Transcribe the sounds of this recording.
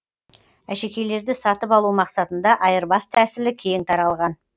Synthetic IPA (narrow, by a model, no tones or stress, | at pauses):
æʃe̞kʲe̞jle̞ɾd̪ɪsɑt̪əpɑlˠumɑqsɑt̪ənd̪ɑʔɑjəɾbɑst̪ʰæsɪlɪkʲʰe̞jɪŋt̪ʰɑɾɑlˠʁɑn